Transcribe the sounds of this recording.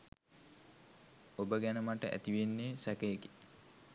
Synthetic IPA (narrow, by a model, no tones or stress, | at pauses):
obəɡænəmaʈəʔæ̰t̪iʋenːeːsækeːke̥